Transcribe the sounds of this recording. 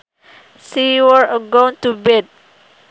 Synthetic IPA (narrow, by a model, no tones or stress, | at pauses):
siwəɹəɡõnt̪ubɛd̚